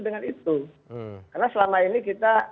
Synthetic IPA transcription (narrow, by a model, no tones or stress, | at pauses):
dəŋanit̪u | karnasəlamainikit̪a